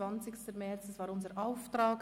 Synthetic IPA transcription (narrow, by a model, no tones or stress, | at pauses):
ɑnt͡sɪçstəmɛt͡sɛsvɑːɾʊnzəɾaʊftɾɑːk